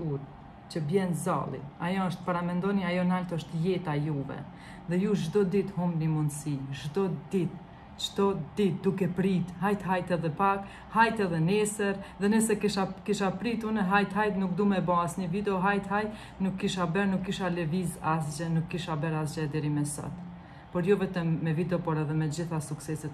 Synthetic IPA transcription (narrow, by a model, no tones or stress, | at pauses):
uɾ | t͡ʃəbjɛnza̰lˠḭajɔəʃt̪̚paɾamɛnd̪ɔniajɔnalt̪əʃt̪jɛt̪ajuvɛ̰ | ðɛjuʒd̪ɔd̪it̪humbnimund̪siʒd̪ɔd̪it̪ | t͡ʃt̪ɔd̪it̪̚d̪ukɛpɾit̪ɦajt̪ɦajt̪ɛðɛpak | hajt̪ɛðɛnɛsəɾðɛnəsɛkiʃakiʃapɾit̪uɾnɛɦajt̪ɦajt̪nuk̚d̪umɛbɔasɲəvid̪ɛɔɦajt̪hajt̪ | nukːiʃabɛɾnukːiʃalɛvizas̬d͡ʒɛnukːiʃabɛɾasd͡ʒɛd̪ɛɾimɛsɔ̰t̪ | pɔɾjɔvɛt̪ɛmːɛvid̪ɛɔpɔɾɛðɛmɛd͡ʑiθasuksɛsɛt̪